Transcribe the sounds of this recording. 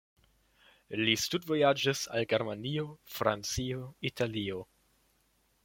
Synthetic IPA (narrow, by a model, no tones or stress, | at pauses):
listudvo̞jad͡ʒisa̰lɡeɾmanio̞fɾant͡sioitalio̞